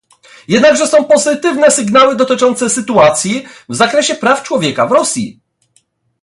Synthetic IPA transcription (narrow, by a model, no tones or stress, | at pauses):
jɛd̪naɡʐɛsɔ̃w̃pɔzɘt̪ɘvnɛsɘɡnawɘd̪ɔt̪ɘt͡ʂɔnt̪sɛsɘt̪uat̪sʲjivzakɾɛɕɛpɾaft͡ʂwɔvʲjɛkavɾɔsʲjḭ